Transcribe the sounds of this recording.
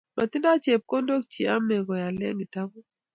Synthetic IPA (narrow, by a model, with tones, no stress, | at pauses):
ma˨tɪ˦nda˦t͡ʃe˨p̚kɔ˦ndo˦k̚t͡ʃi˨a˦mɛ˨ɡɔ˨ja˨lɛ̰˦ŋi˨ta˦ɡo˦